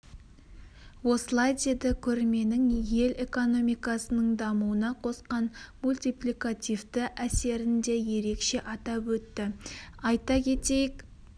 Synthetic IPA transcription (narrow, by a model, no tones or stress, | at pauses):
wo̞səlˠɑjd̪e̞d̪ɪkʲʰɵɾme̞nɪŋje̞le̞ko̞no̞mijkɑsənəɴd̪ɑmuənɑqʰosqɑnmulʲt̪ijplikat̪ʲivd̪ɪʔæse̞ɾɪnd̪e̞je̞ɾe̞kʃe̞ʔɑt̪ɑpwɵt̪ːɪɑjt̪ɑkʲʰe̞t̪e̞jɪk